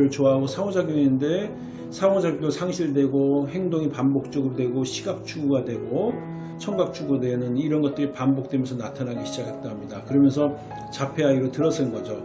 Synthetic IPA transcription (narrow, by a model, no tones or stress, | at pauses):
ɾɯɭt͡ɕoaɦaɡosʰaod͡ʑaɡjoŋende̞ | sʰamod͡ʑaɡodosʰaŋɕʰiɾdwe̞ɡoɦeŋdoŋipambok̚t͡ɕ͈ʌɡɯɾodwe̞ɡoɕʰiɡak̚t͡ɕʰuɡadwe̞ɡo | t͡ɕʰʌŋɡak̚t͡ɕʰuɡɾodwe̞nɯniɾʌnɡʌt̚t͈ɯɾipambok̚t͈we̞mʌnsʰʌnatʰanɦaɡiɕʰid͡ʑakɦet̚t͈aɦamɲidakɯɾʌmjʌnsʰʌ | t͡ɕapʰe̞aiɾotɯɾʌs͈ʰɯnɡʌd͡ʑo